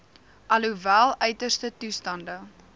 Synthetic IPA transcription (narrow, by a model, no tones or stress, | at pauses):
ʔɐluvælˠœɥtərstətustɐndə